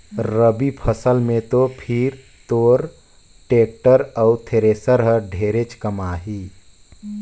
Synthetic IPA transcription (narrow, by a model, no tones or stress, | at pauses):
ɾəbipʰəsəlmẽt̪opʰiɾ | t̪oːɾ | ʈeːk̚ʈəɾəut̪ʰeɾeːsəɾɦəɖʱeːɾet͡ʃkəmaːɦiː